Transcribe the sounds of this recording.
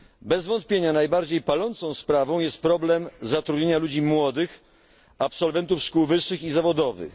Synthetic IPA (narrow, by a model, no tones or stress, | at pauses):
bɛzvɔnt̪̚pʲjeɲanajbaɾd͡ʑejpalɔnt̪sɔ̃w̃spɾavɔ̃w̃jɛst̪̚pɾɔblɛmzat̪ɾud̪ɲeɲalud͡ʑimwɔd̪ɘx | apsɔlvɛnt̪ufʂkuwvɘʂːɘxizavɔd̪ɔvɘ̰x